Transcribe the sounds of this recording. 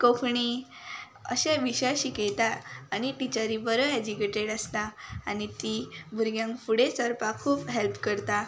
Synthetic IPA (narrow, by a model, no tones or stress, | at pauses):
kokʰɳi | ə̰ɕẽʋiɕaɕikejt̪aañiʈ̪it͡ɕaɾibəɾəɦɛd͡ʑikeʈeɽəst̪aːñit̪iːbʱuɾɡjãŋkfuɽesəɾpakʰuːpɦelpkəɾt̪a